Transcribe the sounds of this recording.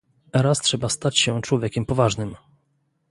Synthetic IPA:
ɛɾastʂɛbast̪at͡ɕɕɛt͡ʂwɔvʲjekʲɛmpɔvaʐnɘm

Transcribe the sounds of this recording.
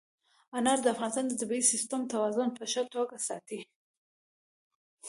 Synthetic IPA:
anɑɾd̪əafɣɑnɪst̪ɑnd̪əd̪abiisɪst̪əmt̪awɑzʊnpəʃət̪oɡasɑ̰t̪i

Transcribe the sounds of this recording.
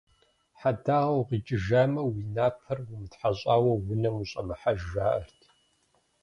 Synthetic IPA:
ħadaːʁɐwqid͡ʒʼɪʒaːmɐwinaːpʰɐrwʊmɨtħaɕʼaːwɐwʊnɐmuɕʼɐmɨħaʒʒaːʔɐ̰rtʰ

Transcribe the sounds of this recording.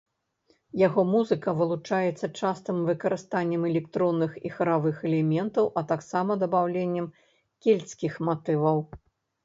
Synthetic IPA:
jaɣɔmuzɨkɐvɨlˠut͡ʂajɛt̪sːɐt͡ʂast̪ɨmvɨkɐɾɨst̪anʲːɛmɛlʲɛkt̪ɾɔnːɨxixɐɾavɨxɛlʲɛmʲɛnt̪ɐwʔɐt̪aksamɐd̪ɐbawlʲenʲːɛm | kʲelʲsʲkʲixmat̪ɨvɐw

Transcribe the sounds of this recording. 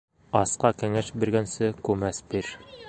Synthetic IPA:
ɑsqɑkɘ̆ŋæʃbĭɾɡænsɘkʉmæsbiɾ

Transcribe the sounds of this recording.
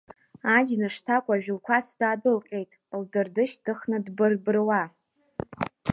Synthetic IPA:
ad͡ʒnɨʂtʰakʷʼaʒᶣlkʷʰat͡sʰdaːdɨlqʲʼe̞jtʼldɨrdɨʃtʰɨχnɨdbɨrbɨrwa

